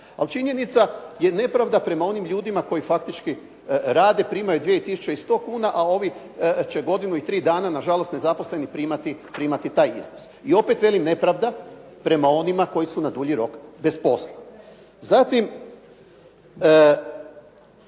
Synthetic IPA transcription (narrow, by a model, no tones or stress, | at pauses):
a̰lt͡ʃiɲe̞nit̪saje̞ne̞pɾaʋd̪apɾe̞mao̞nimʎuːd̪imako̞jifakt̪it͡ʃki | ɾaːd̪e̞pɾiːmajud̪ʋieit̪isu̥t͡ʃeist̪o̞ːkuːnaʔao̞ʋi | t͡ɕe̞ɡo̞d̪inuit̪ɾiːd̪aːnanaʒalo̞st̪ne̞zapo̞sle̞nipɾiːmat̪ipɾiːmat̪it̪aːjḭznos | io̞pe̞t̪ʋe̞limne̞pɾaʋd̪a | pɾe̞mao̞nimako̞jisunad̪uʎiɾo̞kbe̞spo̞slˠa | zat̪im